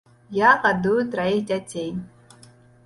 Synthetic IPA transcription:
jaqʼad̪ujut̪ɾaixdʲatʲʰej

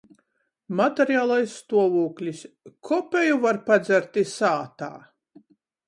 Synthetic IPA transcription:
mat̪eɾjaːlˠajsːt̪uɔvuːklʲiskʰɔpʲejuvaɾpad̪zʲæɾt̪isaːt̪a̰ː

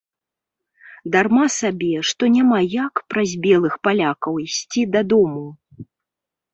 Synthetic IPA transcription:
d̪armasabʲɛʂt̪ɔnʲamajakpɾɐzʲbʲɛlˠɨxpalʲakɐwisʲt͡sʲid̪ɐd̪ɔmu

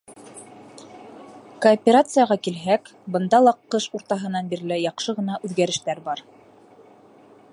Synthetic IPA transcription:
koːpʲeɾat̪sɨjɑʁɑkilɦæk | bɤ̆nd̪ɑlˠɑqːɤʃuɾt̪ɑɦɤ̆nɑnbiɾlɘjɑqʃɤʁɤ̆nɑʔʉðɡæɾɘ̆ʃt̪æɾbɑɾ

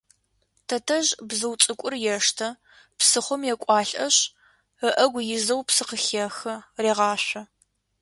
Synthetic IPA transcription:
tʰɐtʰɐʒbzɨwt͡sʼɨkʷʼʊrjɛʂtʰɐ | psɨχʷʊmjɛkʷʼɑːɬʼʔɐɕ | əʔɐɡʷjɪzɐwpsɨqəxixɐreːʁɑːɕʷɐ

